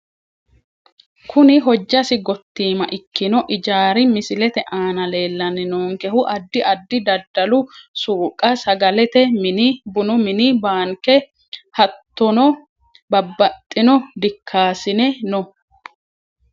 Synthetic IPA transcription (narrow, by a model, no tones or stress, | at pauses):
kʰʊnɪɦɔd͡ʒːɐsɪɡɔt̪ːiːmɐʔɪkːɪnɔʔɪd͡ʒaːɾɪmɪsɪlɛt̪ɛʔaːnɐle̞ːlːɐnɪnoːŋkɛhʊʔɐd̪ːɪʔɐd̪ːɪd̪ɐd̪ːɐlʊsuːkʼːɐsɐɡɐlɛt̪ɛmɪnɪbʊnʊmɪnɪbaːŋkɛ | hɐt̪ːɔnɔ | bɐbːɐt̪ʼːɪnɔd̪ɪkʰːaːsɪnɛnɔ